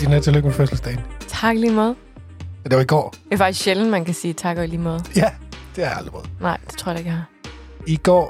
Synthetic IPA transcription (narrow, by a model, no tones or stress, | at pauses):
d̥inæt͡sʰiløɡ̥meføsl̩sd̥eɪnt͡sʰɑ̈ːɡ̥liːmɑːðˠ | d̥eʋɑiɡ̥ɒ̰ːefɑ̈ɡ̥i̥sɕeln̩mænkæsiːt͡sʰɑ̈ːɡ̥ɐiliːmɔːð̩ˠjæd̥e̝æɑ̈ld̥ʁ̥imɔːðˠnɑ̈ɪ̰d̥e̥t͡sʰʁo̰ɐ̰ɑ̈eɡ̥hɑ | iɡ̥ɒ̰ː